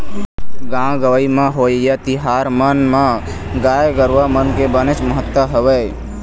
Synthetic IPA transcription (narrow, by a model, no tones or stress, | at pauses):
ɡãɡəʋəimãɦojjat̪iɦaɾmənmã | ɡaːjɡəɾʋamənkebənet͡ʃməɦət̪ːəɦəʋə